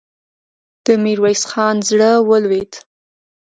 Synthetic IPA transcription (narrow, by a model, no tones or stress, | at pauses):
d̪̥əmiɾwajsxɑnzɽəwəlwed̪